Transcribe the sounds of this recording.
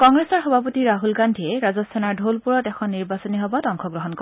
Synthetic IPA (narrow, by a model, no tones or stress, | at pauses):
kɔŋɡɹesɔɹxɔbʱapotiɹaɦulɡandʱiɛɹazɔssʰɛnaɹdʱolpuɹɔtɛkʰɔnːiɹbasɔniɦɔbɔtɔŋkʰɔɡɹɔɦɔnkɔ